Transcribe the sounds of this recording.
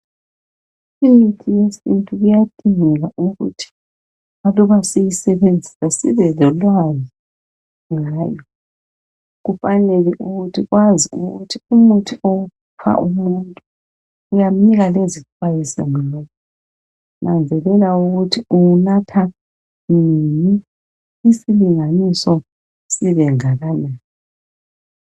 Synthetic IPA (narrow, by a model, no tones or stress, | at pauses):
imitʰijesintʼuɣujad̥ʱʼiŋɛɣaʔuɣṵtʰi̥ | βalɔβasijisɛβend͡zʱisasiβɛlɔlwazɔ | ŋaːjɔ | ɣufanɛlɛʔuɣutʰiɣwaziṵɣutʰiumutʰiou | pʰa̰ʔumuntʼu | ujam̩niɣalezit͡ʃʰwajisɛ̰ŋilɔkʰɔ | nʔand͡zʱɛlɛlauɣutʰiuunatʰa | nini | isiliŋanisɔ | siβɛŋaɣanaːni